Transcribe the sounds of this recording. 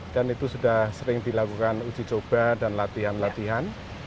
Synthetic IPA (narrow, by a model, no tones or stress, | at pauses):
d̥anit̪usudahhsəɾɪŋdilakukanu̥d͡ʒit͡ʃob̥adanlat̪iɦanlat̪iɦan